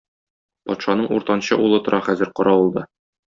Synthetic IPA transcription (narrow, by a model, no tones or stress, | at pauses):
pɒt̪ʃɑnɤɴṵɾt̪ɑnɕɤʔulˠɤt̪ŏɾʔɑχæzɘ̆ɾqɒɾɑulˠd̪ɤ